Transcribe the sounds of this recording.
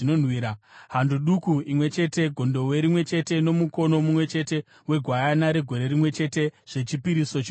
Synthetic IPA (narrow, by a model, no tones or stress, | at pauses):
nonwiɾaɦanduɗukuimwe̞t͡ʃe̞te̞ɡʱo̞ndo̞we̞ɾimwe̞t͡ʃe̞te̞no̞muko̞no̞mumwe̞t͡ʃe̞te̞ | we̞ɡʱwajanaɾe̞ɡʱo̞ɾe̞ɾimwe̞t͡ʃe̞te̞ʐ̥e̞t͡ʃipiɾiso̞t͡ʃ